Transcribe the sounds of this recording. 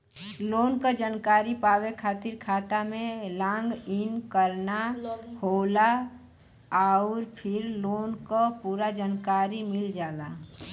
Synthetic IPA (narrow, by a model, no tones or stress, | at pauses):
loːnkad͡ʒənkaːɾipaːwekʰaːt̪ɪɾkʰaːt̪amẽlãːŋɡɪnkəɾnahoːla | aʊɾpʰɪɾloːnkopuːɾad͡ʒankaːɾimɪld͡ʒaːla